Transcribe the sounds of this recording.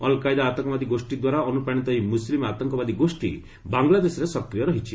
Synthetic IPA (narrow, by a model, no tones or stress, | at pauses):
ɔlkajd̪aːt̪ɔŋkɔbad̪iɡosʈid̪waɾaɔnupaɽ̃it̪ɔimuslimat̪ɔŋkɔbad̪iɡosʈḭ | baŋɡlad̪esɾesɔkɾijɔɾɔɦit͡ʃʰi